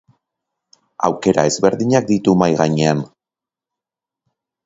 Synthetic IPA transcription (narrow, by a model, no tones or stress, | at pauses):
a̰wke̞ɾa̰e̞zβe̞ɾðiɲak̚d̪it̪umajɣaɲe̞an